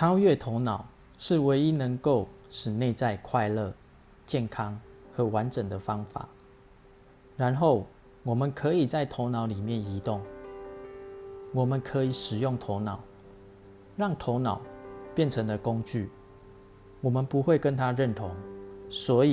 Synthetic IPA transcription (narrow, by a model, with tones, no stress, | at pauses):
ʈ͡ʂʰɑ˥ʊɥɛ˥˨t̪ʰo˧˥ʊnɑ˨˩˦ʊ | ʂɻ̩˥˨˩we˧˥ɪi˦˥nə˧˦ŋko˥˩ʊʂɻ̩˨˩ne˥˧ɪt͡sa˥˧ɪkʰwa˥˧ɪlə˥˨ | t͡ɕjɛ˥˩nkʰɑ˦˥ŋxɤ˨˥˦wa˧˦nʈ͡ʂə˨˩ŋd̪ə˦fɑ˦ŋfa̰˨˩˦ | ɻa˧˦nxo˥˩ʊ | wɔ˨˩mə˨nkʰə˧˦i˨˩t͡sa˥˩ɪt̪ʰo˧˦ʊnɑ˧˥ʊli˨˩mjɛ˥˨ni˧˦t̪ʊ˥˩ŋ | wɔ˨˩mə˨nkʰə˧˦i˨˩˦ʂɻ̩˨˩jʊ˥˩ŋt̪ʰo˧˥ʊnɑ˨˩˦ʊ | ɻɑ˥˨ŋt̪ʰo˧˦˥ʊnɑ˨˩˦ʊpjɛ˥˨nʈ͡ʂʰə˧˦ŋd̪ə˧kʊ˦ŋt͡ɕy̰˥˨ | wɔ˨˩mə˨npu˨˦xwe˥˨ɪkə˦nt̪ʰa˥ɻə˥˨nt̪ʰo˧˦ŋswɔ˧˥i˨